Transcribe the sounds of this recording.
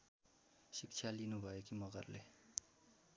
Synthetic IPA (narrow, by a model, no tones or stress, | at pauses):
sik̚t͡sʰjalinubʱʌekimʌɡʌrle